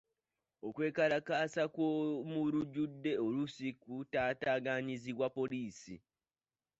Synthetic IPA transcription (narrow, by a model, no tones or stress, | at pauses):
o̞kwe̞ːkalakaːsakwomuɾuɟudːe̞o̞lusikutaːtaːɡaɲiziβwapo̞liːsḭ